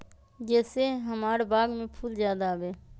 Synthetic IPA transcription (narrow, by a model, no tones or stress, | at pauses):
d͡ʒɛːseɦəmaːɾbaːɡmẽpʰuːld͡ʒjaːd̪aːʋeː